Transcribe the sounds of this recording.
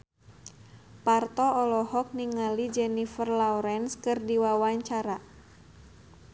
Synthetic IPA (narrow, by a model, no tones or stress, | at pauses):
part̪ɔɔlɔhɔk̚niŋalid͡ʒɛnifərlawɾɛnskɨrdiwawaɲt͡ʃaɾa